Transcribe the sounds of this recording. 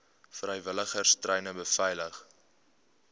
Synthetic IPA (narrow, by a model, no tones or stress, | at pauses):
frəjvələχərstrɛjnəbəfɛjləχ